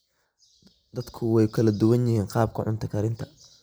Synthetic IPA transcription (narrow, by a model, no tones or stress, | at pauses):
d̪ɐd̪kʰʊwɛjkʰɐlɐd̪ʊwɐnjɪhiːnqɑːb̚kʰʊʕʊ̰nt̪ʰɐkʰɐɾɪnt̪ʰɐ̥